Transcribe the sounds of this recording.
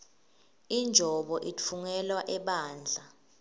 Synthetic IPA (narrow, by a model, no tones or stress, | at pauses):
ind͡ʒʱɔɓɔʔit͡fʰuŋɛlwaʔɛɓaːnd͡ɮʱa